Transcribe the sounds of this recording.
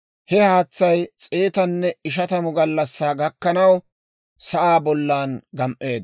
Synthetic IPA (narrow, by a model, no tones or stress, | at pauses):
hɛhaːt͡sːɐjt͡sʼe̞ːt̪ɐnːɛɪʃ̬ɐt̪ɐmʊɡɐlːɐsːaːɡɐkːɐnɐw | sɐʔaːbɔlːaːnɡɐmʔe̞ːd̪